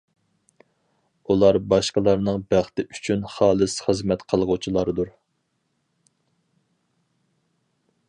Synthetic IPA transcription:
ulˠɑɾbɑʃqəlˠɑɾnɨŋbæχt̪ɪʔyt͡ʃʰynχɑːlˠɨsχəzmɛt̪qʰəlˠʁʊt͡ʃʰilˠɑɾd̪uɾ

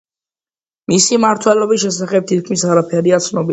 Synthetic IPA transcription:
misimaɾt̪ʰwɛlɔbisʃɛsaχɛb̚t̪ʰit̪̚kʰmisaɾapʰɛɾiat̪sʰnɔbi

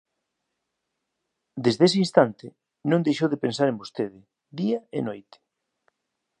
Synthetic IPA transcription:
d̪ezðeseinst̪ant̪ɪ | nõnd̪ejʃowðɪpẽnsaɾẽmbost̪eðɪ | ðiɐḛnojt̪ɪ̥

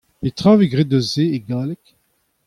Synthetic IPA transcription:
pet̪ʁãveɡʁed̪øzeeɡaːlɛk

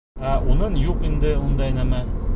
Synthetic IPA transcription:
æʔunɤɴjuqind̪ɘund̪ɑjnæmæ

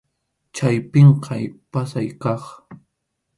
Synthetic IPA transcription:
t͡ʃajpeɴqʰɑjpasajkɑχ

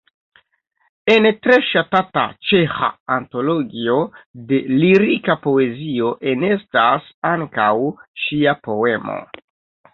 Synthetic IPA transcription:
e̞ntɾe̞ʃatata̰t͡ʃe̞xa̰ːnto̞lo̞ɡio̞de̞liɾikapo̞e̞zio̞ʔe̞ne̞stasaŋkawʃiapo̞e̞mo̞̰

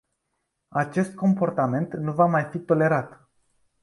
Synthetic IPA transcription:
at͡ʃe̞st̪̚ko̞mpo̞rt̪ame̞nt̪nuvamajfit̪o̞le̞ɾat̪

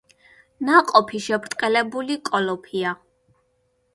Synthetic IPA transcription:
naqʼɔpʰiʃɛpʰɾt̪ʼqʼɛlɛbulikʼɔlɔpʰia

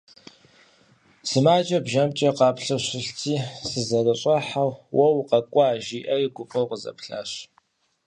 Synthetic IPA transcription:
sɨmaːd͡ʒʼɐbʒɐmt͡ʃʼɐqɑːpɬɐɕɪɬt͡sʰiːsɨzɐrɨɕʼɐħawwɐwqɐkʷʼɔaːʒiːʔɐjɪɡʷʊpʼɐwqəzɐ̰pɬa̰ːɕ

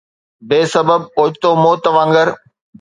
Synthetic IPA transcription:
beːsɐbəb̚oːd͡ʑt̪oːmoːt̪ɐʋãːŋɡəɾ

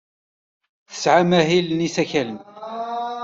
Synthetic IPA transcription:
θə̥sʕamæɦilnisæçælən

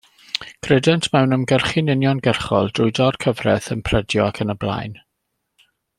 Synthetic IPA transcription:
ɡ̥ʰrɛdɛntʰmɛwnəmɡɛrχinɪnjɔnɡɛrχɔlˠd̥rʊjdɔd̥kʰəvrɛ̰θənpʰrədjɔakʰənəblˠa̰jn

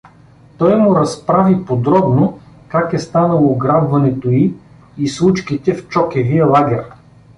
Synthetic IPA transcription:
t̪ɔjmʊɾɐspɾavipod̪ɾɔbno | kakɛst̪anəlˠoɡɾabvɐnɛt̪oi | islˠut͡ʃkit̪ɛft͡ʃɔkɛvijəlˠaɡʲɛɾ

